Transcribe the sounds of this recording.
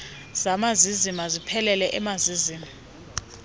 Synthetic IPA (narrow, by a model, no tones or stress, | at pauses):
z̥amazizimazipʰɛlɛlɛʔɛmaziziːma